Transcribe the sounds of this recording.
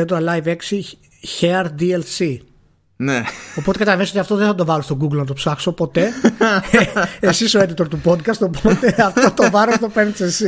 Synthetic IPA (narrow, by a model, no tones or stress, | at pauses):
et̪oɾɐlajve̞ksi | çeɐɾd̪ielsi | neo̞po̞t̪ekɐt̪ɐlɐveisot̪ɐft̪oðeθɐt̪o̞vɐlost̪oɡuɡlnɐt̪o̞psɐkso̞po̞t̪e̞ | esiso̞ed̪it̪o̞ɾt̪upo̞d̪kɐst̪opot̪eɐft̪ot̪ovɐɾost̪opeɾnisesi